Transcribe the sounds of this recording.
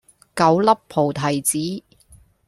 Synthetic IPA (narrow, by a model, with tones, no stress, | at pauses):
kɐ˨˥wlɐ˥pʰːo˨˩wt̪ʰɐ˨˩jt͡siː˨˥